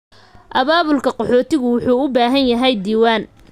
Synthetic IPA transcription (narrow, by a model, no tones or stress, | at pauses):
ʔɐβaːβʊlkʰɐqɔħɔːt̪ʰɪɣʊwʊħuːʊbaːɦɐnjɐɦɛjd̪iːwaːn